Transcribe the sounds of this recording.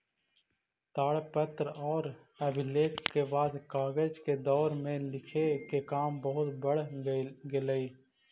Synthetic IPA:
t̪aːɽpət̪ɾɔːɾ | ɐbʱɪleːkkebaːd̪kaːɡəd͡ʒked̪ɔːɾmẽlɪkʰekekaːmbɐɦʊt̪bɐɽ̤ɡɪləiː

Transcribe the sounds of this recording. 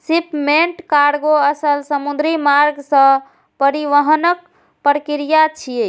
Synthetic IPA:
sipmeɳʈkaɾɡoəsəlsəmud̪ɾimaɾɡsə̃ | pəɾiʋəɦənək̚ | pɾəkiɾijat͡ʃʰie

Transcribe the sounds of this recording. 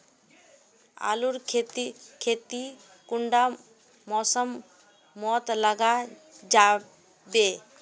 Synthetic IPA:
a̰luɾ | kʰet̪i | kuɳɖa | mɔsəmː | ɔt̪ləɡa | d͡ʒa | be

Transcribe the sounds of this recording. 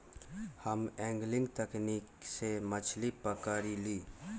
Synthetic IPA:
həmɛ̃ːŋɡlɪ̃ŋɡt̪ɛkniːksemət͡ʃʰlipəkaːɾiliː

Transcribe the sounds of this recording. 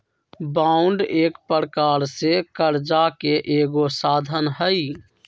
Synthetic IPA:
baʊɳɖeːkpəɾkaɾsekəɾd͡ʒakeʔeːɡosaːd̪ʱənɦəj

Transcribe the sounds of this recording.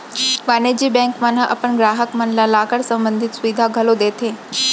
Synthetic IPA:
ʋaned͡ʑiːbɛ̃ŋkmənəʔə̰pəɳɡɾaːɦəkmənlalaːkəɽsə̃mbənd̪ʱɪt̪sʋid̪ʱaɡʱəlod̪eːt̪ʰe

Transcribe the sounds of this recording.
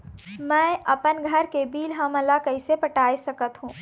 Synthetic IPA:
mɛ̃ɐpənɡʱəɾkebiːlɦə̃məlakəɪsepəʈaːesɐkət̪ɦũː

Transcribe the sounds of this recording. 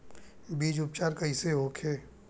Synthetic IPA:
biːd͡ʒʊpt͡ʃaːɾkəiseɦoːkʰeː

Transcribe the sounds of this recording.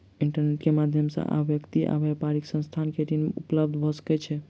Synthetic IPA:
iɳʈəɾneʈkemad̪ʱjəmsə̰̃ʔa̰bjəkt̪iʔa̰bɛpaɾiksə̃nst̪ʰankeʈimupləb̚d̪ʱbʱɔskɛt͡ʃʰɛ

